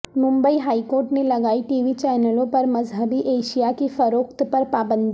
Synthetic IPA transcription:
mʊ̃mbəiɦaːikoːɾʈnelɐɡaːiʈiːʋit͡ʃɛːnəlõpɐɾmɐzɦəbiʔeːʃijakifɐɾoːkt̪pɐɾpaːbə̃nd̪ʱi

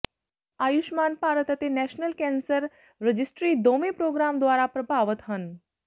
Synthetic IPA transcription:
aːjuʃmanpaːɾət̪ət̪enɛʃnəlkɛ̃nsəɾ | ɾəd͡ʒɪsʈɾiːd̪omepɾoɡɾamd̪ʋaːɾapɾəbʱaʋət̪ɦən

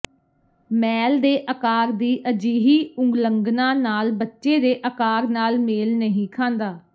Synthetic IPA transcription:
mɛːld̪eːʔəkaːɾd̪iːʔəd͡ʒiːɦiːʊ̃ŋɡləŋɡnãːnaːlbətːʃeːd̪eːʔəkaːɾnaːlmeːlnəɦĩːkʰãːnd̪aː

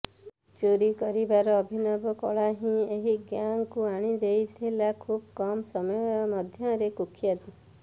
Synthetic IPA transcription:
d͡ʒoɾikɔɾibaɾɔːbʱinɔbɔkɔ̰ɭaɦĩeɦiɡjaŋkuaɽ̃id̪ejt̪ʰilakʰubkɔmsɔmɔjɔmɔd̪ʱjɔɾekukʰjad̪i

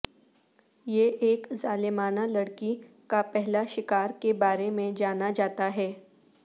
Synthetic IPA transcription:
jeʔeːkzaːlɪmaːnalɐɽki | kapɛɦlaʃɪkaːɾkebaːɾemẽd͡ʒaːnad͡ʒaːt̪aɦɛː

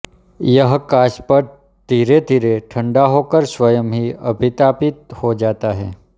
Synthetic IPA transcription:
jəɦkaːʃpəɾ | d̪̥ʱiːɾed̪ʱiɾeʈʰəɳɖaɦokəɾsʋəjəmɦiəbʱit̪apɪt̪hod͡ʒat̪aɦɛ

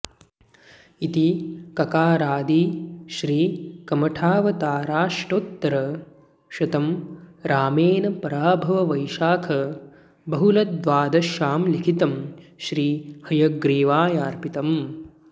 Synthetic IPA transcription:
it̪ikɐkaːɾaːd̪iʃɾiːkɐmɐʈʰaːʋɐt̪aːɾaːʂʈoːt̪ːɐɾɐ | ʃɐt̪ɐmɾaːmeːnɐpɐɾaːbʱɐʋɐʋɐjʃaːkʰɐ | bɐɦulɐt̪ʋaːd̪ɐʃaːmlikʰit̪ɐmʃɾiːhɐjɐɡɾiːʋaːjaːɾpit̪ɐm

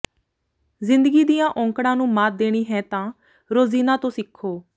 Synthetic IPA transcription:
zɪ̃nd̪əɡiːd̪ijãːʔɔ̃ːŋkɽãːnũːmaːt̪̚d̪eːɽ̃iːɦɛ̃ːt̪ãː | ɾoːziːnãːt̪õːsɪkʰːoː

